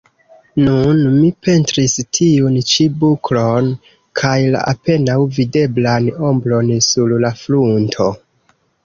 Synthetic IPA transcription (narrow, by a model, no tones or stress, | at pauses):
nunmipe̞ntɾistʰiunt͡ʃibuklon | kʰajla̰ʔape̞nawvide̞blano̞mbɾo̞nsullafluntʰo̞